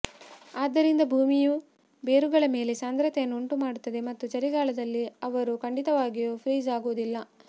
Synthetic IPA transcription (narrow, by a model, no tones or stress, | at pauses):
aːd̪ːɐɾind̪ɐbʱuːmiju | be̞ːɾuɡɐɭɐme̞ːle̞saːnd̪ɾɐt̪ɛjɐnːuuɳʈumaːɽut̪ːɐd̪e̞mɐt̪ːut͡ʃɐɾiɡaːɭɐd̪ɐlːiɐʋɐɾukɐɳɖit̪ɐʋaːɡijoːpʰɾiːzaːɡuʋud̪ilːɐ